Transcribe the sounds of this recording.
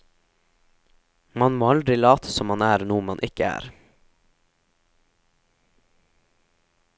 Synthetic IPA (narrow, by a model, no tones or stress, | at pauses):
mɑnmoːɑld̪ɾɪlɑːt̪ʰə̥sɔmɑnæːɾnuːmɑnʔɪkəæ̰ːɾ